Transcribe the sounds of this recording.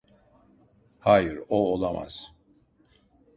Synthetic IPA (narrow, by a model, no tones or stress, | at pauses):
haːjɯɾoːlˠama̰z̥